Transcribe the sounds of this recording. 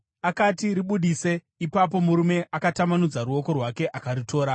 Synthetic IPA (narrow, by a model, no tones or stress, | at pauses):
akatiɾiɓuɗise̞ | ipap̬o̞muɾume̞ʔakatamanud͡zaɾuo̞ko̞rwake̞ʔakaritʰo̞ːɾa